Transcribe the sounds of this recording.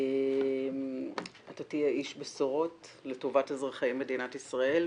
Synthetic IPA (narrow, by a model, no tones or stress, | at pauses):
em | atotiaʔiʃbesoʁo̞tletovatezʁaχaimːedinatisʁae̞l